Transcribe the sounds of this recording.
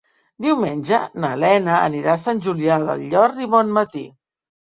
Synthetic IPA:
d̪iwmenʲʒənəlɛnəə̰niɾasanʲʒuliaðə̰lʎɔɾtiβɔnmət̪ḭ

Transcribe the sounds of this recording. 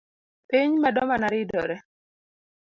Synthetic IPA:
piɲmadɔmanaɾɪdɔ̰ɾɛ

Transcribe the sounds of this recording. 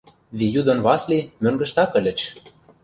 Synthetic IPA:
βijud̪ɤ̆nβɑslʲimøŋɡə̆ʃt̪ɑkɘ̆lʲɘ̆t͡ɕ

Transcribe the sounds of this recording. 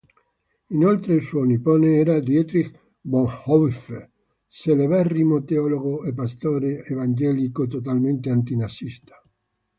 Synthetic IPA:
inolt̪ɾeilsuoniponeɛɾad̪jɛt̪ɾik | boŋhɔwf | seleβɛrːimot̪eɔloɣoepːast̪oːɾeːvand͡ʒɛlikot̪ot̪alment̪eant̪inasist̪ḁ

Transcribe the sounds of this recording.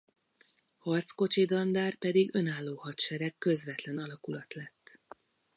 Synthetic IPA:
hɒrt̪sko̞t͡ʃid̪ɒnd̪aːrpɛd̪iɡø̞naːlːoːhɒt̪ʃɛɾɛkːø̞zʋɛt̪lɛnɒlɒkulɒt̪lɛt̪ː

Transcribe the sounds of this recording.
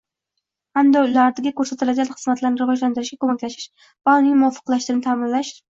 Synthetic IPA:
hamd̪aʊlaɾd̪aɡʲakʰɵɾsat̪ʰɪlad͡ʒʲalχɨzmat̪ʰlaɾnɪɾɪvɒʒland̪ɪɾɪʃɡʲakʰɵmakʲlaʃɪ̥ʃ | vaʊnɪŋmʊɒfːɨqlˠaʃt̪ɪnɪt̪ʰaːmɪnlaʃ

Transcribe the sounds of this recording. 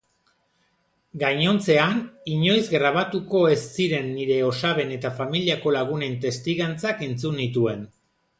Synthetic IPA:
ɡajɲo̞nt͡se̞aniɲo̞jzɡɾaβ̞at̪uko̞e̞sːiɾe̞nːiɾe̞o̞saβe̞ne̞t̪afamiliako̞laɣ̞une̞nt̪e̞st̪iɣant͡sakent͡sunit̪ue̞n

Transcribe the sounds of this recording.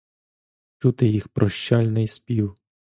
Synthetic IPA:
t͡ʃut̪ɪjixpɾɔʃt͡ʃalʲnɪjspʲiw

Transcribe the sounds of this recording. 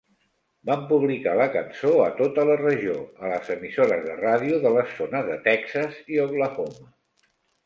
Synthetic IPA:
bampuβ̞likaləkənsoət̪ot̪ələrəʒioələzəmisoɾəzðərað̞iuðələsːonəzðət̪ɛksəziəβləfomə

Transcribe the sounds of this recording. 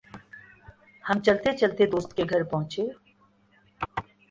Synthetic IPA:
həmt͡ʃɐlt̪et͡ʃɐlt̪ed̪oːst̪keɡʱɐɾpɐɦʊ̃t͡ʃeː

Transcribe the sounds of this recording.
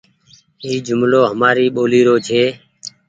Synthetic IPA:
iːd͡ʒʊmloːɦəmaːɾiːɓoːliːɾoːd͡ʒʱeː

